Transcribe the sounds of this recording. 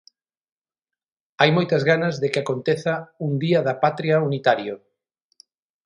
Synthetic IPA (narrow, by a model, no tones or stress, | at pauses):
ajmojt̪ɐzɣanɐzðekɪakont̪eθauŋd̪iɐðɐpat̪ɾiɐunit̪aɾjo